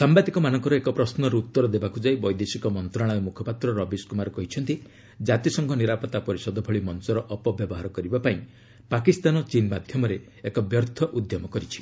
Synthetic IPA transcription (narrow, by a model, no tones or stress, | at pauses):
sambad̪ikɔmanɔŋkɔɾɔekɔpɾɔsnɔɾeut̪ːɔɾɔd̪ebakud͡ʒaibɔjd̪esikɔmɔnt̪ɾaɽ̃ɾemukʰɔpat̪ɾɔɾɔbiskumaɾɔkɔɦit͡ʃʰɔnt̪i | d͡ʒat̪isɔŋkʰɔniɾapɔt̪apɔɾisɔd̪ɔbʱɔɭimɔnsɔɾɔʔɔpɔbjɔbɔɦaɾɔkɔɾibapaĩ | pakist̪anɔt͡ʃinmad̪ʱjɔmɔɾe | ekɔbjɔɾt̪ʰɔʔud̪ʱjɔmɔkɔɾit͡ʃʰi̥